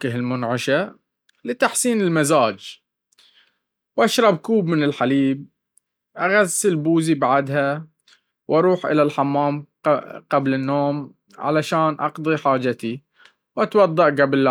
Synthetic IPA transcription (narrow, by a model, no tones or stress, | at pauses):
ɪɦɪlmʊnʕɪʃa | lɪt̪aħsiːnɪlmazaːd͡ʒ | wʔaʃɾˤɑbkuːbmɪnɪlħaliːb̚ | ʔaɣazːɪlbuːzibaʕd̪ɦa | wʔɑɾˤuːħʔɪ̰lalħamːaːm | qablɪnːoːm | ʕa̰laʃaːnʔɑ̰qd̪ˤiħaːd͡ʒat̪i | wʔat̪wɑd̪ˤːɑʔɡabl